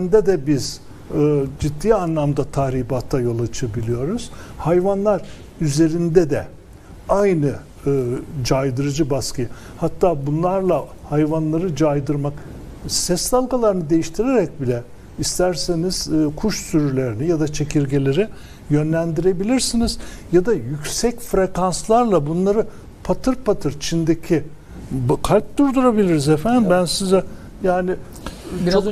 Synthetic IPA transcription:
nd̪ɛd̪ɛbiz̥ | ɯd͡ʒid̪ːiːanlˠamd̪at̪ʰaːhɾiːbat̪ʰːajo̞lˠat͡ʃʰabilʲijo̞ɾuz̥hajvanlˠaɾ | yze̞ɾind̪ɛd̪ɛ | ajnɯ | ɯːd͡ʒajd̪ɯɾɯd͡ʒɯbaskʰɯj | hat̪ʰːaːbunlˠaɾlˠa | hajvanlˠaɾɯd͡ʒajd̪ɯɾmak | sɛsd̪alˠɡalˠaɾɯnɯd̪e̞jiʃt̪ʰiɾeɾɛc̚bilʲɛ | ist̪ʰæɾseniz̥ːkʰuʃsyɾylʲeɾinijad̪at͡ʃʰe̞cʰiɾɟelʲe̞ɾi | jø̞nlʲænd̪iɾe̞bilʲiɾsiniz̥jad̪ajycʲsɛcfɾe̞kanslˠaɾlˠabunlˠaɾɯ | pʰat̪ʰɯɾpʰat̪ʰɯɾt͡ʃʰind̪ecʰi | bkʰalʲp̚d̪uɾd̪uɾabilʲiɾizefænd̪imbænsizɛ | jaːnɪ | i

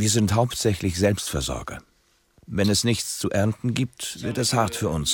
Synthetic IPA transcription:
viːɐzɪnthaʊptz̥ɛçlɪçz̥ɛlpstfɛɐzɔ̰ɐɡɐ̰ | vɛnɛsnɪçt͡st͡suʔɛɐntn̩ɡiːp̚tv̥ɪɐtɛshaɐtfyːɐʊns

